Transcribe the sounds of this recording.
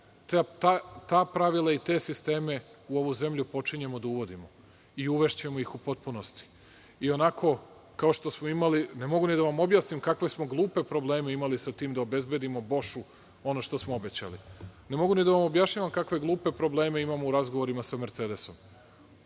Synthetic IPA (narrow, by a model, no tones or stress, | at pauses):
t̪ːt̪at̪aːpɾaʋilˠait̪e̞ːsist̪e̞ːme̞uo̞ʋuze̞mʎupo̞t͡ʃiɲe̞mo̞d̪auʋo̞d̪imo | iuʋe̞ʃt͡ɕemojixupo̞t̪̚puno̞st̪i̥ | io̞nakʰo̞ | kao̞ʃt̪o̞smoimaline̞mo̞ɡunid̪aʋamo̞bjaːsnimkakʋe̞smo̞ɡlˠuːpe̞pɾo̞ble̞ːmeimalisat̪iːmd̪aobe̞zbe̞d̪imo̞bo̞ʃu | o̞no̞ʃt̪o̞smoobe̞t͡ɕa̰linemo̞ɡunid̪aʋamo̞bjaʃɲaːʋamkakʋe̞ɡlˠuːpe̞pɾo̞ble̞ːme̞imamouɾazɡoʋo̞ɾimasame̞ɾt̪se̞ːd̪e̞so̞m